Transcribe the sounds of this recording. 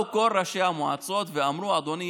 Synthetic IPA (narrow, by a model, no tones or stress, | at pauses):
uko̞lʁaʃeamoa̰t͡so̞t̪veamɾuad̪o̞ni